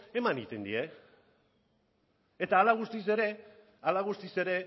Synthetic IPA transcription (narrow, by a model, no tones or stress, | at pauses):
e̞manit̪e̞nd̪ḭe̞ | et̪aːlaɣ̞ust̪ise̞ɾe̞ | alaɣ̞ust̪ise̞ɾe̞